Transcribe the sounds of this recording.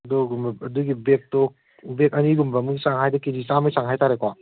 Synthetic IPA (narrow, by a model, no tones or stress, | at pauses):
dɔɡumɐduɡibek̚tɔ | bekɐniɡumbɐmuɡisaŋɦajdɐkid͡ʒisamɐjsaŋɦajtaɾekwa